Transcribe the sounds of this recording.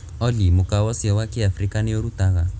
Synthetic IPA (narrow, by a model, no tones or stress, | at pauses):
ɔlimʊkawɔsiawakiafɾikanɪoɾutaɣa